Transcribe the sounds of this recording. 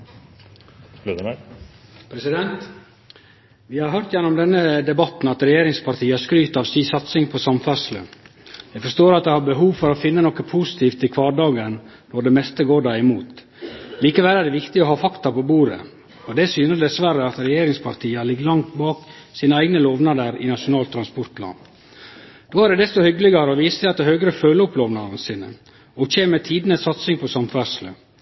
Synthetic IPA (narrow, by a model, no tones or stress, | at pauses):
pʰɾɛsɪd̪ɛnt̪ | ʋɪhɑɾɦøɾt̪jɛnːʊmd̪ɛnːəd̪ɛbɑt̪n̩ɑt̪ɾɛjeːɾɪŋspʰɑɾt̪ʰiːəæɾskɾyːt̪ɑʋsiːsɑt̪sɪŋpʰɔsɑmfæɾslø̰ | j̪æɪfɔʂt̪oːɾɑt̪̚d̪ɛhɑɾbəɦuːʋfɔɾɔfɪnːənɔkəpʰusɪ̥t̪ʰiːft̪ɪkʰʋɑːɖɑːɡən | nɔɖɛmɛst̪əɡoːɖæɾɪmuːt̪ | liːkəʋɛlæɖɛʋɪkt̪ɪɔɦɑːfɑkt̪ɑpɔbuːɾə̰ | ɔd̪ɛsyːnəd̪ɛsʋæɾːəɑt̪ɾɛjeːɾɪŋspʰɑɾt̪ʰiːəlɪɡːəlɑŋt̪bɑːk | siːnəæɪɡnəloːʋnɑd̪əɾɪ̰nɑʂʊnɑːlt̪ʰɾɑnspɔɾt̪pʰlɑ̰ːn | d̪̥oːæɾɖɛd̪ɛst̪ɔhʏɡːəlɪɡəɾəɔʋiːsəɛɑt̪̚d̪ɛhøːɡɾəføːləʊploːʋnɑɾnəsiːnə̰ | ɔçemɛt̪ʰiːd̪nəsɑt̪sɪŋpʰɔsɑmfæʂlə̰